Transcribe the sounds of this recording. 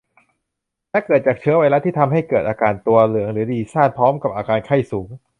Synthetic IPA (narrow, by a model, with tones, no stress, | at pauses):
lɛ˦˥kɤː˨˩t̪̚t͡ɕaː˨˩k̚t͡ɕʰɯ˦˥ɐwa˧jla˦˥t̪ʰiː˥˩t̪ʰa˧mɦa˥˩jkɤː˨˩t̪̚ʔaː˧kaː˧nt̪u˧ɐlɯ˩˦əŋɾɯː˩˦diː˧˩saː˥˩n̚pʰɔː˦˥mka˨˩p̚ʔaː˧kaː˧nkʰa˥˩jsuː˩˦ŋ